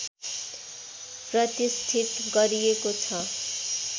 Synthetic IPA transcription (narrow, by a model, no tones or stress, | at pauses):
prʌt̪ist̪ʰit̪ɡʌɾijekot͡sʰʌ